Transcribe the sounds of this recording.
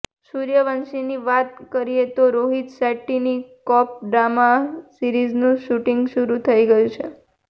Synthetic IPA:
suɾjəʋənʃiniʋat̪̚kəɾiet̪oɾoɦit̪sɛʈːinikɔp̚ɖɾamasiɾiznũʃuʈiŋɡʃuɾut̪ʰəiɡəjũt͡ʃʰe

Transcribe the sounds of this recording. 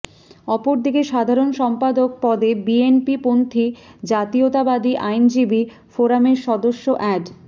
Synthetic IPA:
ɔpoɾd̪ikeʃad̪ʱaɾonʃɔmpad̪ok̚pɔd̪ebienpipont̪ʰid͡ʑat̪iot̪abad̪iʔajnd͡ʑibi | foɾameɾʃɔd̪oʃːoʔɛɖ

